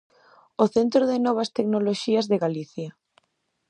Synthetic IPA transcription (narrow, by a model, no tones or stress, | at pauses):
oθent̪ɾoðɪnɔβ̞ast̪eknoloʃiɐzðeɣaliθja